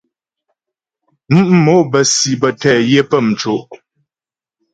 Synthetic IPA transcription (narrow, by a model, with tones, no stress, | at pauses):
m̩˦m̩˦mo˨˦bə˨si˨bə˨tɛ˦˨je˦pə˦˨m̩˨t͡ʃo˨ʔ